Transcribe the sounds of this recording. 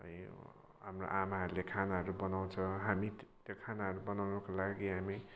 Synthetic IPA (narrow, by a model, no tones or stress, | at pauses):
ɦʌ̰j | ɦamro̰ʔamaɦʌɾulekʰanaɦʌɾubʌnaw̃t͡sʰʌ̃ɦamit̪jokʰanaɦʌɾubʌnawnʌkolaɡiɦami